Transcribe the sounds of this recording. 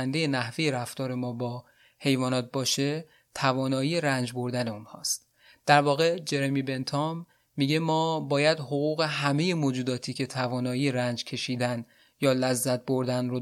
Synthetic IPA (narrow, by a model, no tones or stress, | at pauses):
nd̪e̞je̞næhvejeɾæft̪ɒːɾe̞mɒːbɒː | he̞jvɒːnɒːt̪̚bɒːʃe̞ | t̪ʰævɒːnɒːjiːjeɾænd͡ʒbo̞ɾd̪æne̞unhɒ̰ːst̪̚ | d̪̥æɾvɒːɣe̞d͡ʒe̞ɾemibe̞nt̪ʰɒmː | iːɟemɒːbɒːjæd̪hoɣuːɣe̞ɦæme̞je̞moːd͡ʒuːd̪ɒːt̪ʰiːcʰe̞t̪ʰævɒːnɒːjiːjeɾænd͡ʒcʰe̞ʃiːd̪æn | jɒːlæzːæt̪̚bo̞ɾd̪ænro